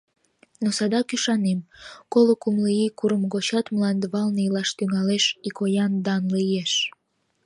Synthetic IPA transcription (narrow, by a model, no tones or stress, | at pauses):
nosɑd̪ɑkyʃɑnemkolokumliikuɾəmɣot͡ɕɑt̪mlɑnd̪əβɑlneilɑʃt̪yŋɑleʃikojɑnd̪ɑnlijeʃ